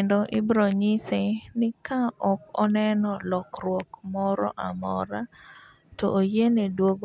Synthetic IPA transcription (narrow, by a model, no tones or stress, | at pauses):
ndoʔibɾoɲisenɪkaɔkɔ̰nɛnɔlɔkrwɔkmɔɾɔ̰ʔamɔ̰ɾa | tɔ̰ʔːjenedwoɡo